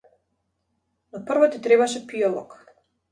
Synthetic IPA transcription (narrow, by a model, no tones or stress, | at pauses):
nɔpr̩vɔt̪it̪ɾɛbaʃɛpiɔlˠɔ̰k